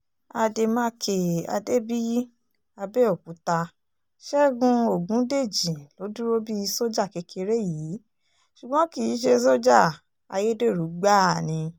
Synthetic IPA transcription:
a˧de˧mã˦kʰe˨a̰˧de˦bi˦ | a˧be˦o˦˨ku˨˦ta˧ | ʃɛ˦ɡũ˧o˦˨ɡũ˨˦de˦˨d͡ʒĩ˨lo˨˦du˦ɾo˦bi˦i˧˦so˦d͡ʒa˦˨ke˨˧˦kʰe˧ɾe˦ji˨˦ | ʃu˨ɡ͡bɔ̃˨˦ki˦˨˦ʃ̬e˧s̬o˦d͡ʒa˦˨ | a̰˧je˦de˦˨ɾu˨˦ɡ͡ba˦˨nĩ˧

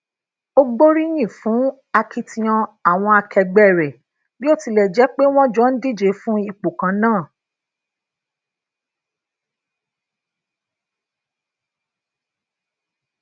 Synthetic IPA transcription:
o˦ɡ͡bo˦ɾi˦j̃ĩ˦˨fũ˨˦ | a˧kʰi˧tĩ˧ɔ̃˧a˨w̃ɔ̃˧a˧kʰɛ˧ɡ͡bɛ˦˨ɾɛ˨ | bi˦o˦˨ti˧lɛ˨d͡ʒɛ˨˦k͡pe˦w̃ɔ̃˦d͡ʒɔ˦n̩˦di˦˨d͡ʒe˧˦fũ˦i˧˨k͡po˨kã˨˧˦nãː˦˨

